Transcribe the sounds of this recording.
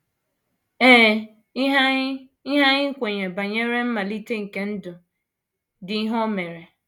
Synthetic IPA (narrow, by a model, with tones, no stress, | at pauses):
eː˦ | ɦ | i˦ɦa˦ɲɪ˦ŋ̩˦kʷe˨ɲe˨ba˨ɲe˦ɾe˦m̩˦ma˨li˦te˦ŋ̩˨ke˦n̩˦dʊ˨ | dɪ˨i˦ɦɔ˦me˨ɾe˨